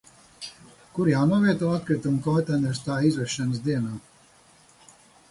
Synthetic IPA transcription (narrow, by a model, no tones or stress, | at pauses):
kuɾjaːnuɔviɛt̪uɔat̪̚kɾit̪umkɔwt̪anɛɾst̪aːizvɛʃɛnəsd̪iɛnaː